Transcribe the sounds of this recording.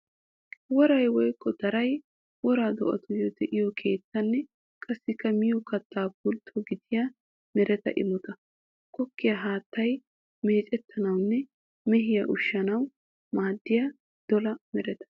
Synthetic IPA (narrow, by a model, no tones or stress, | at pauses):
wɔɾɐjwɔjkʰːɔd̪̥ɐɾɐj | wɔɾaːd̪ɔ̰ʔɐ̰t̪ʊjɔd̪ɛʔɪjɔkʰe̞ːt͡sːɐnːɛ | kʼɐsːɪkːɐmɪjɔkɐt̪ʰːaːpʊlt̪ʰːɔɡɪd̪ɪja | mɛɾɛt̪ɐ̰ʔɪ̰mɔt̪ɐ | kɔkːɪjɐɦaːt̪ːɐj | me̞ːt͡ʃʼɛt̪ʰːɐnɐwnːɛ | mɛɦɪjɐʔʊʃːɐnɐw | maːd̪ːɪjɐ | d̪̥ɔlɐmɛɾɛt̪ɐ̥